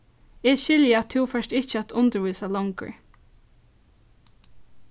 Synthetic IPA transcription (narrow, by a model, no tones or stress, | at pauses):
ɛʃɪljəat̪ʰːɪwfœʂtɪt͡ʃːəat̪ʰʊnt̪əɹʋuːsalɔŋkə̰ɹ